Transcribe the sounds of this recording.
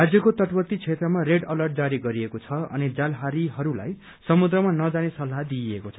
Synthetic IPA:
ɦad͡zjʌkot̪ʌʈpʌt̪ːit͡sʰet̪rʌmareɖʌlʌrʈ̚d͡zaɾiɡʌɾiekot͡sʰʌʌ̰nid͡zalɦaɾiɦʌɾula̰j | sʌmud̪rʌmanʌd͡zanesʌlɦad̪iekot͡sʰʌ

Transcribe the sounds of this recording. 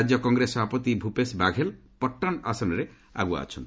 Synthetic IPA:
d͡ʒjɔkɔŋɡɾesɔapɔt̪ibʱupesbaɡʱel | pɔʈːanasɔnɔɾe | a̰ɡua̰ːt͡ʃʰɔnt̪

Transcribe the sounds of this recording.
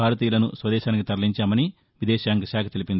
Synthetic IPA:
aːɾɐt̪iːjulɐnusʋɐd̪ɛːʃaːnik̬it̪ɐɾliɲt͡ʃaːmɐni | ʋid̪ɛːʃaːŋkɐʃaːkɐt̪elipind̪i

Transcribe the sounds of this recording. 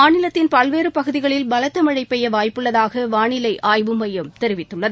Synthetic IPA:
aːɳɪlɐt̪ːɪnpɐlʋeːɾɯpɐɣɯðɪɣɐɭɪlbɐlɐt̪ːɐmɐɻɐɪpːɛjɐʋaːjpːɯɭːɐðaːɣɐʋaːɳɪlɐɪʔʔaːjʋɯmɐjɐmt̪ɛɾɪʋɪt̪ːɯɭːɐðɯ

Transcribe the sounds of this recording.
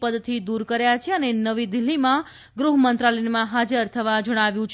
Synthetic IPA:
pəd̪t̪ʰid̪uɾkəɾjat͡ʃʰeənenəʋid̪ɪlːimã | ɡɾuɦəmənt̪ɾalɛnmãɦad͡ʒəɾt̪ʰəʋad͡ʒəɽ̃aʋjũt͡ʃʰ

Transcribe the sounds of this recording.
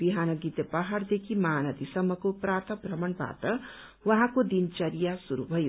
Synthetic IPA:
biɦanʌɡit̪epaɦaɾd̪ekʰimaːnʌt̪isʌmːʌkopɾaːt̪əbɾʌmʌɳba̰t̪ʌ | wʌɦãkod̪int͡ʃɐɾijasuɾubʱʌjo

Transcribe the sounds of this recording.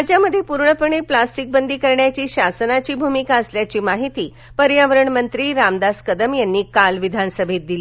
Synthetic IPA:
at͡ɕjaməd̪ʱːjepuɾɳəpəɳiplasʈik̚bənd̪iːkəɾɳjat͡ɕiːɕasənat͡ɕiːbʱumikaəsljat͡ɕiːmaɦit̪iː | pəɾjaʋəɾəɳmənt̪ɾiːɾamd̪askəd̪əmjanːiːkalʋid̪ʱansəbʱet̪̚d̪ili

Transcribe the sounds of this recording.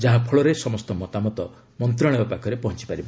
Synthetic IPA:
d͡ʒaɦapʰɔɭɔɾesɔmɔst̪ɔmɔt̪amɔt̪ɔ | mɔnt̪̬ɾaɭ̃ɔbapakʰɔɾepɔɦɔnt͡ʃi̥paɾibɔ

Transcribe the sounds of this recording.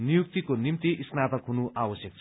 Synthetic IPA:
nijuk̚t̪ikonimt̪iʔisnat̪ʌkɦunuʔabʌsjʌk̚t͡sʰ

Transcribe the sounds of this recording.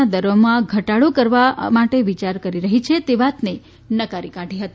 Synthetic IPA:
ad̪əɾʋəmãɡʱəʈaɭokəɾʋamaʈeʋit͡ʃaɾkəɾiɾəɦit͡ʃʰet̪eʋat̪ne | nəkaɾikaʈiɦət̪i

